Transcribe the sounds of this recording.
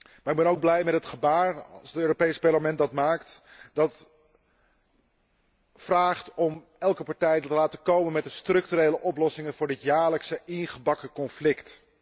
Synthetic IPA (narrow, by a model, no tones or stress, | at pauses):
maɾɪɡ̚bɛnowɡ̚blɛjmɛtɦətχəbaːɹɑ̰lˠsətøːropejspɑɹləmɛndɑtmaːktdɑt | fraːχtɔm | ɛlˠkəpɑɹtɛjtəlaːtəkowmənmɛt̚dəstrɵk̚tyɾejləʔɔplɔsɪŋənvʊːɹdɪtjaːɹləksəɪnχəbɑkəkɔnflɪkt